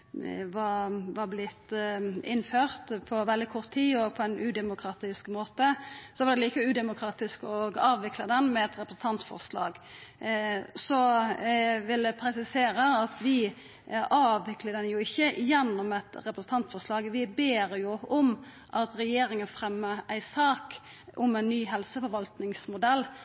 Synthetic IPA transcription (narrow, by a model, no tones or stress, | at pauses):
ʋɑʋɑblɪt̪ːɪnːføːɾt̪pʰɔʋɛld̪ɪkʰɔɾt̪tʰːiːɔɡ̚pʰɔænʉd̪ɛmʊkʰɾɑːt̪ɪskmoːt̪əsɔʋɑɾd̪ɛliːkəʉːd̪ɛmʊkʰɾɑːt̪ɪskɔɡɑːʋʋɪkʰləd̪ɛnmɛɛt̪ɾɛpɾəsn̩ɑnt̪fɔ̰ʁʂlɑ̰ːɡ | sɔ | ʋɪld̪ɛpʰɾɛsɪseːɾəɑt̪ʋɪ | ɑːʋʋɪkləɖ̪ɛnjʊɪçːəjɛnːʊmɛt̪ɾɛpɾəsn̩t̪ʰɑnt̪fɔɾʂlɑːɡʋɪbeːɾjʊɔm | ʔɑt̪ɾɛjeːɾɪŋənfɾɛmːəæɪsɑːk | ʔɔmænːyːɦɛlsəfɔɾʋɑlt̪nɪŋsmʊd̪ɛlː